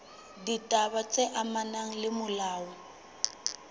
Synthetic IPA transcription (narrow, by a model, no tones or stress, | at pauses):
ditʼaβat͡sʼeʔamanaŋ̩lɪmʊlaːɔ